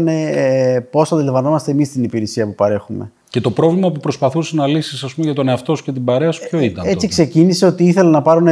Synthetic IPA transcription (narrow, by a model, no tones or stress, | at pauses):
nepo̞sɐnd̪elɐvɐno̞mɐst̪emist̪inipiɾisiɐpupɐɾe̞xume̞̰ | ce̞t̪o̞pɾo̞vlimɐpupɾo̞spɐθusenɐlisisɐspumeʝɐt̪o̞neɐft̪o̞sce̞t̪ibɐɾe̞ɐsu̥pço̞it̪ɐnet͡sikse̞cinise̞o̞t̪iiθe̞lɐnɐpɐɾone